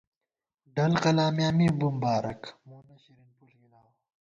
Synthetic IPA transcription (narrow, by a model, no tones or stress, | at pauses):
ɖɐlqɐlaːmjaːmibumbaːɾɐ̰kmuːnɐɕiɾinpulɡinaːw